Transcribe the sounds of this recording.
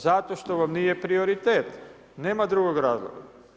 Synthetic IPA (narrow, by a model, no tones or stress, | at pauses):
zat̪o̞ʃt̪o̞ʋamnijepɾio̞ɾit̪eːt̪ | neːmad̪ɾuɡoɡɾaːzlˠo̰ɡa